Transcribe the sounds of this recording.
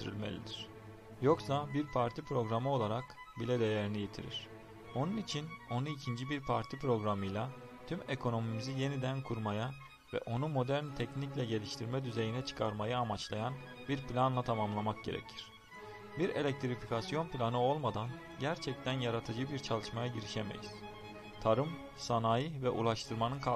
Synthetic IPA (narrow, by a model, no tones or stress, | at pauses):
t̪ʰiɾḭlʲme̞̰lʲḭd̪iɾ̥ | jo̞ksabiɾpʰaɾt̪ʰipɾo̞ɡɾamɯo̞lˠaɾak | bilʲɛd̪e̞jeɾinije̞t̪ʰḭɾḭɾ̝̥ | o̞nunit͡ʃʰino̞nuicʰind͡ʒibiɾpʰaɾt̪ʰipɾo̞ɡɾamɯjlʲˠa | t̪ʰyme̞kʰo̞no̞mimizije̞nid̪ænkʰuɾmaja | vɛ̰ʔo̞numo̞d̪æɾnt̪ʰɛcniclʲɛɟe̞lʲiʃt̪ʰiɾmɛd̪yze̞jinɛt͡ʃʰɯ̥kʰaɾmajaːmat͡ʃlˠajanbiɾplʲanlˠat̪ʰamamlˠamak̚ɟe̞ɾɛ̰cʰiɾ̥ | biɾe̞lʲɛc̚t̪ʰɾifikʰasijo̞nplʲanɯo̞lˠmad̪an | ɟæɾt͡ʃʰɛc̚t̪ʰænjaɾat̪ʰɯd͡ʒɯbiɾt͡ʃʰalˠɯʃmajaɟiɾiʃeme̞̰jḭz̥ | t̪ʰaɾɯm | sanajɯvɛʔṵlˠaʃt̪ʰɯɾmanɯnkʰa